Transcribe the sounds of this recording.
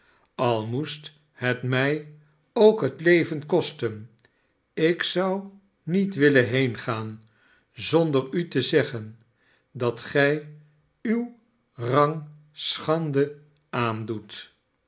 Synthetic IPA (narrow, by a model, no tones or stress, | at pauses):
ɑlˠmust | hətmɛj | owkɦətlejvənkɔstən | ɪksʌw | nitʋɪləɦejnχaːn | zɔndərytəzɛχən | dɑtχɛj | yw | rɑŋ | sχɑndə | aːndut